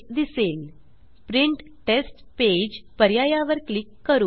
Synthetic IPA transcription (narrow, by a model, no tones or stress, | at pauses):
d̪isel | pɾiɳʈ | ʈesʈped͡ʑpəɾjajaʋəɾklikːəɾuː